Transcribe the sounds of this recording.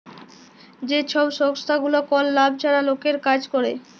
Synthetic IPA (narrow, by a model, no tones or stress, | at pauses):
d͡ʑet͡ɕʰɔbʃɔŋst̪ʰaɡulokɔlːab̚t͡ɕʰaɾalokeɾkad͡ʑkoɾe